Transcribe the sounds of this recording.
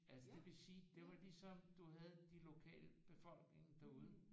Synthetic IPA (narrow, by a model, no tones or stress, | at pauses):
ælsəd̥e̝ʋesiːd̥e̝ʋɑ̈lisɒ̽md̥uɦæð̞̩ˠd̥ilo̝kʰɛ̰ːləb̥e̝fɒ̽l̰ɡ̥ne̝ŋd̥æuð̞ˠ